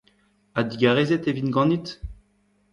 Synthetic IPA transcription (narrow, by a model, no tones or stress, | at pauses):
ad̪iɡaʁezet̪evinɡɑ̃nit̪